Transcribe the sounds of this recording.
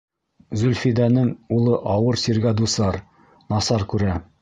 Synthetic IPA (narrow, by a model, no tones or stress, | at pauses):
zɵlfid̪ænɘŋulˠɤʔɒwɤɾsiɾɡæd̪usɑɾ | nɒsɑɾkʉɾæ